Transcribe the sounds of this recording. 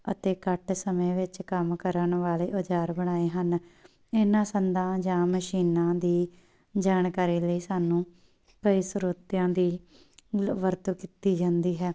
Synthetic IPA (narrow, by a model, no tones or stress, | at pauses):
ə̰t̪eːkəʈʰsəmẽːʋɪt͡ʃkəmkəɾənʋaːleːʔod͡ʒaːɾbəɽ̃aːeːɦən | ɪnãːsənd̪ãːd͡ʒãːməʃiːnãːd̪iː | d͡ʒaːnkaːɾiːləiːsaːnũː | kəisɾuːt̪jãːd̪iː | ʋəɾt̪okiːt̪iːd͡ʒãːnd̪iːɦɛː